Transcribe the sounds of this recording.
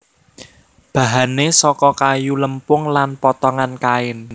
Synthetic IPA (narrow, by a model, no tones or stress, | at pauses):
b̥ä̤ɦanesɔkɔkajuləmpʊŋlanpɔt̪ɔŋankaɪn